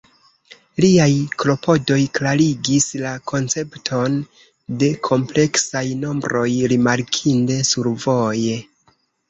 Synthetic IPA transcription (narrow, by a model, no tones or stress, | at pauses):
liajklo̞pʰo̞do̞jklaɾiɡislakʰo̞nt͡se̞ptʰo̞n | de̞kʰo̞mple̞ksajno̞mbɾo̞jɾimaɾkʰinde̞suɾvo̞je̞